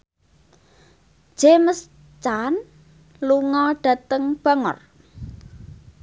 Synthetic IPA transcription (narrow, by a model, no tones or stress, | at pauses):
ʒ̥eməs | t͡ʃan | luŋɔɖ̥ä̤t̪əŋb̥a̤ŋɔ̰r